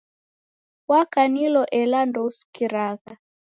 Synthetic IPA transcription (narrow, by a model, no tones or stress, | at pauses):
wakanilɔʔɛlandɔuskiɾaɣa